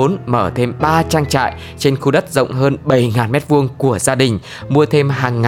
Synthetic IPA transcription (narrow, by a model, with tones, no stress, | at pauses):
o˨˦nməː˧˩t̪ʰe˧mɓaː˧t͡ɕaː˧ŋt͡ɕa̰ː˧˨j | t͡ɕe˧nxu˧ɗə˦˥t̚zə̰˧˨wŋ͡mɦəː˧nɓə˧˩jŋaː˨˩nmɛ˦˥t̚vu˧əŋku˧˩əzaː˧ɗï˨˩ŋ̟ | mu˧ət̪ʰe˧mɦaː˨˩ŋːa